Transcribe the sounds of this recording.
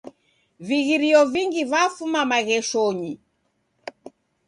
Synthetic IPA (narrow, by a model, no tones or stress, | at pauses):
viɣiɾiɔviŋɡivafumamaɣɛʃɔɲi